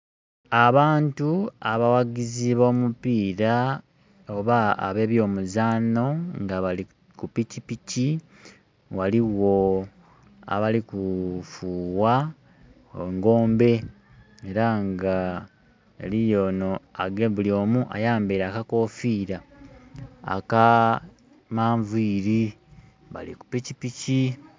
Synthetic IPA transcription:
aβaːntuaβawaɡiziβo̞ːmupiːɾa | oβa̰ːβe̞ːβjo̞ːmuzaːno̞ŋɡaβai | kupicipici | waliwo̞ | a̰βalikufuːwa | eŋɡo̞ːmbe̞ | eɾaŋɡa | elijo̞no̞aɡeβulio̞ːmuʔa̰jaːmbeːɾaːkako̞ːfiːɾa | a̰ka | maːɱviːɾi | βa̰liku̥picipici

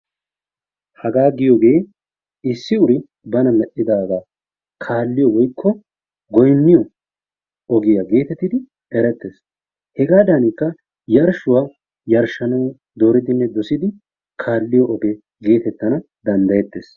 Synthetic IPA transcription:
hɐɡaːɡɪjɔɡe̞ː | ɪsːɪʊɾɪ | bɐnɐmɛʔːɪd̪aːɡaː | kʰaːlːɪjɔwɔjkʰːɔ | ɡɔjnːɪjɔ | ɔɡɪjaɡe̞ːt̪ɛt̪ːɪd̪ɪ | ɛɾɛt̪ːe̞ːs | hɛɡaːd̪ɐnɪkːɐ | jɐɾʃʊwaː | jɐɾʃɐnɐw | d̪o̞ːɾɪd̪ɪnːɛd̪ɔsɪd̪ɪ | kʰaːlːɪjɔʔɔɡɛ | ɡe̞ːt̪ɛt̪ːɐnɐd̪ɐnd̪ɐjɛt̪ːe̞ːs

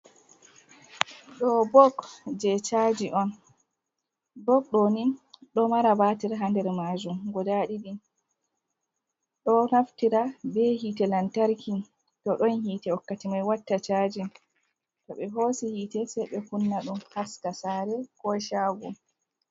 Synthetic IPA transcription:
ɗɔbɔɡd͡ʒɛt͡ʃad͡ʒiʔɔn | bɔk̚ɗɔniɗɔmaɾabaːtiɾaɦandɛɾmad͡ʒumɡɔdaɗiɗi | ɗɔnaftiɾabɛhiːtɛlantaɾkʰin | tɔɗɔnhiːtɛɔkːatimajwatːat͡ʃaːd͡ʒi | tɔɓɛɦoːsihiːtɛsɛjɓɛkunːaɗumhastasaɾɛkɔʃaɡɔ

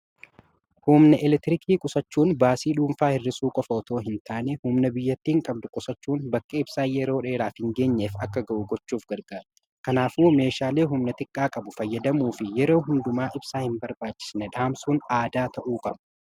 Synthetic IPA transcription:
humnɐʔɪlɛt̪ɪɾɪkʰiːkʼʊsɐt͡ʃːuːnbaːsiːᶑuːmfaːhɪrːɪsuːkʼɔfɐɔt̪o̞ːɦɪnt̪ʰaːnɛhʊmnɐbɪjːɐt̪ːiːŋkʼɐb̚d̪ʊkʼʊsɐt͡ʃːuːnbɐkʼːɐɪb̥saːjɛɾoːᶑe̞ːɾaːfhɪŋɡe̞ːɲːeːfɐkːɐɡɐʔuɡɔt͡ʃːuːfɡɐɾɡaːɾ | kɐnaːfuːme̞ːʃaːle̞ːɦʊmnɐt̪ɪkʼːaːkʼɐbʊfɐjːɐd̪ɐmuːfɪjɛɾo̞ːɦʊnd̪ʊmaːʔɪbsaːhɪmbɐɾbaːt͡ʃːɪ̥snɛᶑaːmsuːnaːd̪aːt̪ʰɐʔuːkʼɐbɐ

